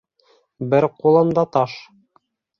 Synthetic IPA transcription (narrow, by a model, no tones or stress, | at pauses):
bɘɾqulˠɤ̆md̪ɑt̪ɑʃ